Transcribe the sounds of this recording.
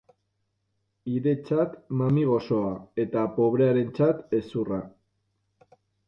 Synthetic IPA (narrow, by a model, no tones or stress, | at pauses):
iðe̞t͡sat̪mamiɣ̞o̞so̞ae̞t̪apo̞β̞ɾe̞aɾe̞nt͡sat̪e̞sura